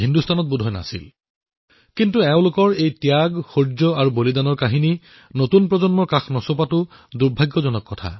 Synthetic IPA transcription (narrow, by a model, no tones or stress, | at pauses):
ɦindustʰanɔt̚budʱɔjna̰sḭl | kintuɛʊ̃lʊkɔɹejtjaɡxoɹd͡ʒɔaɹubolidanɔɹkaɦini | notunpɹɔzɔnmɔɹkaxnɔsopatʊ | duɹbʱaɡːɔzɔnɔkːɔtʰa̰